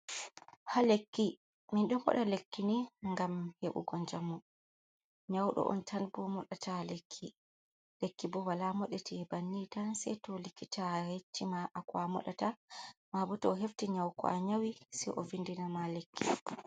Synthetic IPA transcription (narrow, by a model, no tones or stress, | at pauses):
halekːi | minɗɔmɔ̰ɗalekːiniŋɡamheɓṵɡɔɲd͡ʒamu | ɲawɗɔ̰ʔɔ̰ntʰanbɔmɔɗatalekʰːi | lekːibɔwalamɔɗɛtɛbanːitansɛ̰jtɔlikːitʰahet͡ʃːimaʔakwamɔ̰ɗa̰tamabɔtɔːɦeftiɲawkɔ̰ʔaɲawisɛʔɔvindinamalekʰːḭː